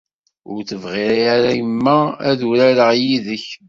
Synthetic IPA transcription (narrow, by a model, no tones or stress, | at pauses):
ʊ̰ɾθəvʁiɾajaɾæjəmːææ̰ðuɾæɾəʁjiðəç